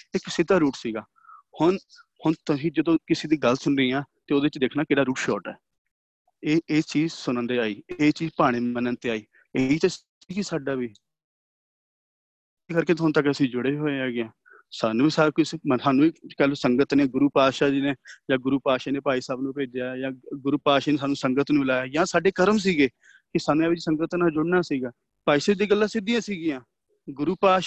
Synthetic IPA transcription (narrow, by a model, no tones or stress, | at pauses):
ɪksɪd̪aːɾuːʈsiːɡaː | hʊn | hʊɳt̪ʊsĩːd͡ʒəd̪õːkɪseːd̪iːɡəlsʊnɾəiːãːt̪eːoːd̪eːɪt͡ʃd̪eːkʰnaːkɪːɽaːɾuːʈʃɔːʈɛ̰ː | eːeːt͡ʃiːzsʊnə̃nd̪eːaːiːeːt͡ʃiːzpaːɽ̃eːənənt̪eːaːiː | eiːt̪es | kiːsaːɖaːʋiː | kəɾkeːt̪ɦʊnt̪əkəsĩːd͡ʒʊɽeːɦoːeɛːɡeãː | saːnũːsaːkʊt͡ʃmsaːnũːiːkəlsəŋɡət̪neːɡʊɾuːpaːʃaːd͡ʒineːd͡ʒãːɡʊɾuːpaːʃaːneːpaːiːsaːbnũːpeːd͡ʒaːjãːɡʊɾuːpaːʃaːneːaːnũːsəŋɡət̪nũːɪlaːjaːjãːsaːɖeːkəɾəms̬iːɡeː | kɪsaːnũːɛbɪd͡ʒisəŋɡət̪naːd͡ʒʊɽnaːsiːɡaː | paːiːsaːbd̪eːɡəlːaːsɪd̪ɪjãːsiːɡɪjãː | ɡʊɾuːpaːʃ